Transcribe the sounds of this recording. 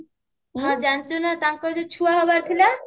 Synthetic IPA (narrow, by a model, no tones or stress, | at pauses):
ɦɔ̃d͡ʒant͡ʃonat̪aŋkɔd͡ʑot͡ɕʰuaɦɔbaɾt̪ʰila